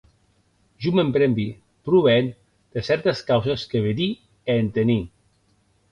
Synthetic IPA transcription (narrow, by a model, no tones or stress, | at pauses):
ʒumempɾɛmbi | pɾuβeen | d̪̥esɛɾt̪eskawzeskeβed̪i | eːnt̪eni